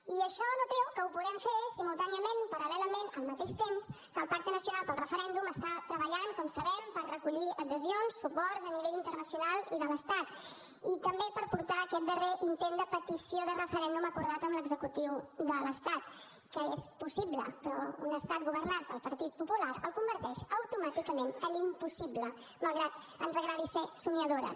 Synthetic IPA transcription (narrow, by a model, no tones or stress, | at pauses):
iəʃɔnut̪ɾɛwkəupuðɛmfesimulˠt̪aniəmenpəɾəlɛləmenəlˠmət̪eʃt̪ems | kəːlˠpak̚t̪ənəsjunalˠpəlˠrəfəɾɛnd̪uməst̪at̪ɾəβəʎaŋkɔmsəβɛmpərrəkuʎiəðəzionsːupɔɾzəniβeʎint̪ərnəsiunalˠiðələst̪at̪ | it̪əmbepəɾpuɾt̪aəkɛt̪̚d̪əreʔint̪end̪əpət̪isioðərəfəɾɛnd̪uməkuɾð̞at̪əmləɡzəkut̪iwðələst̪at̪ | kəespusiβlə̰pɾɔṵnəst̪at̪̚ɡuβəɾnat̪̚pəlˠpəɾt̪it̪̚pupulaɾəlˠkumbəɾt̪ɛʃəwt̪umat̪ikəmenənimpusiblə | malˠɣɾat̪ | ənzəɣɾaɾisesuɲəðoɾə̰